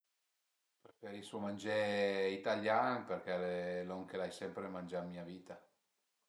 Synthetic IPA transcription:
pɾefeɾisomand͡ʒeit̪aljaŋperkɛleloŋkelajsɛmpɾemand͡ʒamiːaviːt̪a

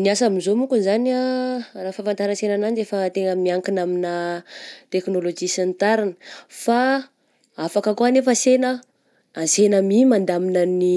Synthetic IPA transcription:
niasamizomukunzaniarafafant̪aɾənsenananefət̪eŋəmiaŋkinamina | t̪eknolod͡ʒisint̪aɾinə̥fa | afakəkuanefəsenə | ansenəmimand̪aminani

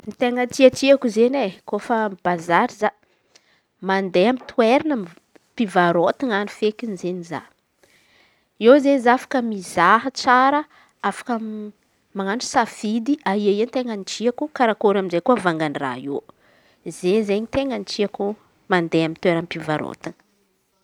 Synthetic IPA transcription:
nit̪eŋənt̪iaʈ͡ʂiakuzenekofamb̥azaɾiza | mand̪eamit̪ʰueɾanam | pivaɾot̪iŋanufekinizeniza̰ | ewzenizafḁkəmizaɦət͡saɾə | afḁkə | maŋanʈ͡ʂu̥safid̪iaiaient̪eŋənit͡ʃiakukaɾakoɾamizekuavaŋɡanra̰e | zeɲzeɲit̪eŋənit͡ʃiaku | mand̪eamint̪weɾanpivaɾo̰t̪inə̥

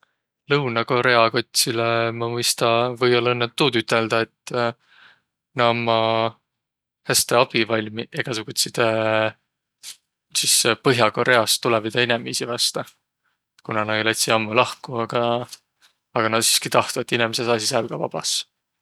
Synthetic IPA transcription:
lɤwnɑko̞ɾe̞ɑko̞t̪ʲsilemɑmɯjst̪ɑvɤjolɤnːet̪ːuːt̪yt̪ːˑe̞ld̪̥ɑe̞t̪ː | nɑmːɑ | hæst̪e̞ɑb̥ivɑlʲmiʔe̞ɡ̥ɑsukut̪ʲsid̪̥e | sispɤɦjɑko̞ɾe̞ɑst̪ːulevid̪̥ɑinɛmisivɑst̪ɑ | kunɑnɑjlet̪ʲsiɑmːulɑhkuɑɡ̥ɑ | ɡ̥ɑnɑsi̥skit̪ɑht̪uet̪ːinemesesɑːsisælɡ̥ɑvɑ̰b̥ɑ̰s

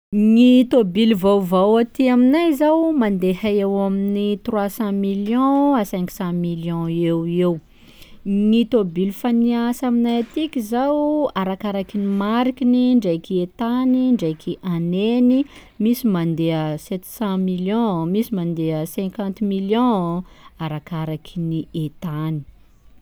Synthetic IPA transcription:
nit̪obilvawvawat̪iaminajzawmand̪ehaewaminit̪rwasɑ̃miljɔ̃asɛ̃ŋku̥sɑ̃miljɔ̃ewew | nit̪obilfaniasaminajat̪ikʲizawaɾakaɾakinimaɾikiniɳɖ͡ʐejkiet̪aniɳɖ͡ʐejkʰiʔaneni | misimand̪eəsɛt̪sɑ̃miljɔ̃misimand̪eəsɛ̃ŋkãnt̪miljɔ̃aɾakaɾakiniet̪ani̥

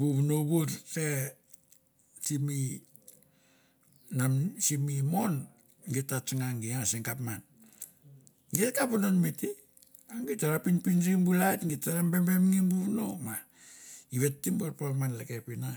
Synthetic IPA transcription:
buβunoβuɾse̞ | simi | namsimimo̞n | ɡitːat͡ʃŋaŋɡiaseŋkapman | ɡetkapunonmiti | aŋɡitaɾapinpinɾimbulajtŋɡitaɾambe̞mbe̞mŋimbuβno̞ma | iβe̞tːimboɾpamanlekepina

